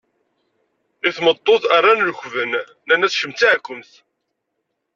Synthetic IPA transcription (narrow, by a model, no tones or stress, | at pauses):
ɪθmət̪ˤːoθarˤːanlçvənː | ænæθʃəmt̪iʕkʷːəmθ